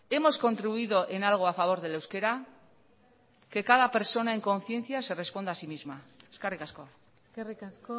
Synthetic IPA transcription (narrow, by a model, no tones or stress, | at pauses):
e̞mo̞sko̞nt̪ɾiβuiðo̞ʔe̞nalɣ̞o̞afaβ̞o̞ɾð̞e̞le̞wske̞ɾa | ke̞kaðape̞ɾso̞naeŋko̞n̟θje̞nθiase̞re̞spo̞nd̪asimizmaeskerikasko̞ | skerikasko